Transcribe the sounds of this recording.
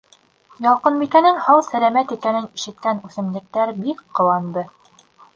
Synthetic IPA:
jɑlˠqɤ̆nbikænɘŋhɑwsælæmæt̪ikænɘniʃɘ̆t̪̚kænʉθɘ̆mlɘ̆k̚t̪æɾbikqːɤ̆wɑnd̪ɤ

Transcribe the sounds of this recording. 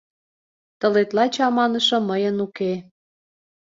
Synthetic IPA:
t̪ə̆let̪lɑt͡ɕɑmɑnə̆ʃɤ̆məjənuke

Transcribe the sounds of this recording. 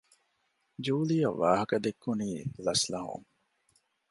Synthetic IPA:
d͡ʒuːlijɐʋːaːɦɐkɐd̪ekːuniːlɐslɐɦṵŋ

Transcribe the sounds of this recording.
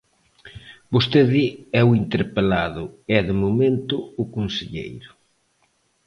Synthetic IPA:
bost̪eðɪɛwint̪eɾpelaðʊɛðɪmomẽnt̪ʊʊkonseʎḛjɾʊ

